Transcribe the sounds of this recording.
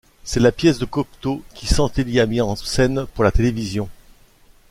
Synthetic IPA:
sɛlapjɛsd̪əkɔk̚t̪okʲisɑ̃t̪eliamiɑ̃sɛnpuʁlat̪elevizjɔ̃

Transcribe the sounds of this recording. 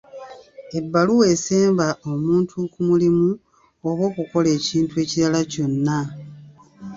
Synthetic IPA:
e̞bːaluwe̞seːmbaomuːntʰukumulimu | o̞βo̞ːkuko̞le̞ːciːntue̞ːciɾalaco̞nːa

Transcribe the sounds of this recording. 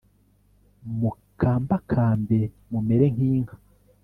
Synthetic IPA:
mu | kʰaːmbakʰaːmbe | mumeɾeŋ̥iːŋhḁ

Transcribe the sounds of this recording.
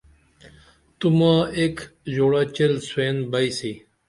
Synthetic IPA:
t̪ʊmãːeːkzoːɽaːt͡ʃelsʊeːnbəiːsiː

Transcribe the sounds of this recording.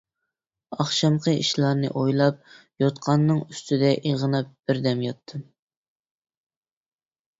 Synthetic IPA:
ɑχʃɑmqʰəiʃlˠɑɾnɨ̰ʔojlˠɑp̚ | jot̪qʰɑnːɨŋyst̪ɪd̪ɛʔiʁənɑp̚b̥ɪɾd̪ɛmjɑt̪ʰːɨm

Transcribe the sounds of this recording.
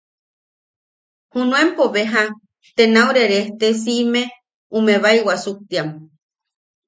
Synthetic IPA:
hunũempoβeɦa | t̪enauɾeɾeht̪es̬ime | umeβaiwasuk̚t̪iam

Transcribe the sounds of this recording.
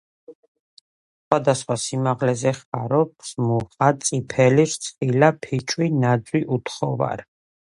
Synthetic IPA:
sχwad̪asχwasimaʁlɛzɛχaɾɔp̚smuχʼat̪sʼipʰɛliɾt̪sʼχilapʰit͡ʃʼwinad̪zwiʔut̪χɔva̰ɾ

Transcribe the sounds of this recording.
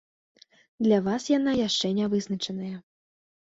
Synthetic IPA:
d̪lʲavasjan̪ajaʂt͡ʂɛnʲavɨznɐt͡ʂɐnɐjɐ

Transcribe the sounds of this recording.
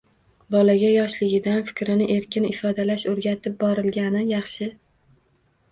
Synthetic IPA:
bɒlaɡʲajɒʃlɪɡʲɪd̪anfɪ̥kʲɾɪnɪʔe̞ɾkʲɪnɪfɒd̪alaʃɵɾɡʲat̪ʰɪp̚bɒɾɪlɡʲanɪjɑχʃɪ

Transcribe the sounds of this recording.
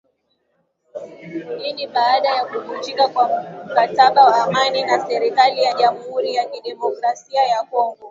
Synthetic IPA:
niniɓaːɗajakuvut͡ʃikakwam̩kataɓawaːmaninasɛɾikalijaʄam̩huɾijakiɗɛmɔkɾasiajakɔŋɡɔ

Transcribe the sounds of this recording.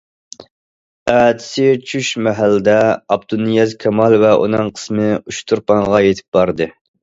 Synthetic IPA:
æːd̪ʰɪ̥sɪt͡ʃʰyʃmɛɦælːɪd̪ɛɑb̚d̪unːijɛzkʲʰɛmɑlˠvɛʔṵnɨŋqʰə̥smɨuʃt̪ʰuɾpɑŋʁɑjet̪ʰɪ̥p̚bɑɾd̪ɨ

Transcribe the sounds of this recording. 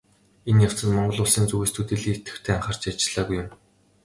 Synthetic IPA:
enjaw̥t͡sə̆t̪mɔɴɢɞ̆ɮʊːɮsiːnt͡suɣeːst̪ʰut̪iːɮiːŋet̪ɡɘ̥̆xt̪ʰeːaɴχə̆r̥t͡ɕat͡ɕɪ̆ɮ̥aːɣujʊm

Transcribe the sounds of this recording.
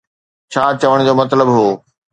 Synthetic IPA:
t͡ɕʰaːt͡ɕɐʋəɽ̃d͡ʑoːmɐt̪ləbɦoː

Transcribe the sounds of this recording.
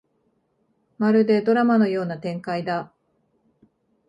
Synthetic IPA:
maɾɯ̟d̪e̞d̪o̞ɾamano̞jo̞ːnat̪ẽ̞ŋkaid̪a

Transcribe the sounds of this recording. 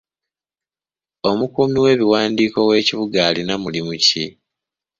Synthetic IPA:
o̞mukuːmiwe̞ːβiwaːndiːko̞we̞ːciβuɡaːlinamulimuci

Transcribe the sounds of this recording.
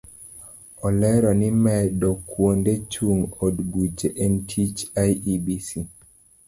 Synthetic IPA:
ɔlɛɾɔnimɛɗɔkwondet͡ʃuŋɔdɡud͡ʒeʔɛntʰit͡ʃajibisi

